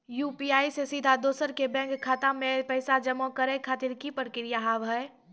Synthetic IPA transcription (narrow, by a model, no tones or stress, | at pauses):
juːpiaːisesid̪ʱad̪oːsəɾkebɛ̃ːŋkʰːaːt̪ãmẽpɐɪsad͡ʒɐmõkɐɾẽkʰaːt̪ɪɾkipəɾkɪɾɪjaɦaːʋɦɛe